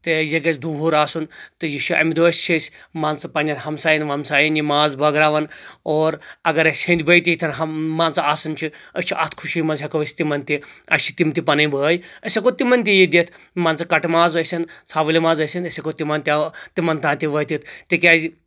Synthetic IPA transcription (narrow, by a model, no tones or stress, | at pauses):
t̪ejeɡɐsd̪uːɦuːɾaːsunt̪ɨjit͡ʃʰiʔɐ̰mʲid̪uɐsʲt͡ʃʰisʲmaːnt͡sɐpɐnʲɐnhɐmsaːjinʋɐmsaːjinjimaːzbɐɡɾaːʋɐnoːɾɐɡɐɾɐsʲhɐ̃nʲd̪ʲibɐjt̪iit̪ʲʰɐnɦɐmaːnt͡sɐaːsɐnt͡ʃʰiɐsʲt͡ʃʰiʔɐ̰t̪ʰkʰuʃijmɐnzɦʲɐkɐʋɐsʲt̪imɐnt̪iɐ̰t͡ʃʰi̥t̪imt̪ipɐnɐjbəːjɐsʲɐkot̪imɐnt̪̬ʲijid̪ʲit̪ʰ | maːnt͡sɨkɐʈmaːzɐsʲɐnt͡sʰaːʋɨlimaːzɐsʲinɐsʲɐkot̪imɐnt̪ʲit̪imɐnt̪ãːnt̪iʋɐːt̪it̪ʰt̪ikʲaːzi